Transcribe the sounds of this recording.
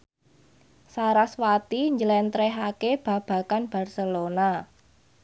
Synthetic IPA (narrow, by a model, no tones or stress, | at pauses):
saɾaswat̪iɲd͡ʒəlɛnt̪ɾɛɦakeb̥ä̤b̥a̤kanb̥a̤rsəlona